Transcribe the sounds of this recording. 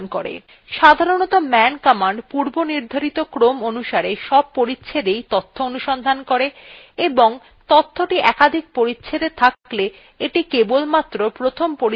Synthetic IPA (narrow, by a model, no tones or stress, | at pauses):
nkoɾḛ | ʃad̪ʱaɾonɔt̪omɛnkɔmaɳɖpuɾboniɾd̪ʱaɾit̪okɾomonuʃaɾeʃɔb̚poɾitːɕʰed̪ejt̪ot̪ʰːoonuʃɔnd̪ʱankoɾe | eboŋ | t̪ot̪ʰːoʈiʔɛkad̪ʱik̚poɾitːɕʰed̪et̪ʰakkle | eʈikebolmat̪ːɾopɾot̪ʰompoɾi